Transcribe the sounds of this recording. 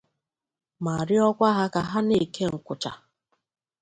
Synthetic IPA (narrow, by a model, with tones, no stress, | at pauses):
ma˨ɾɪ˦ɔ˦kʷa˦ɦa˦ka˨ɦa˦ne˦˨ke˦ŋ̩˨kʷʊ˨t͡ʃa̰˨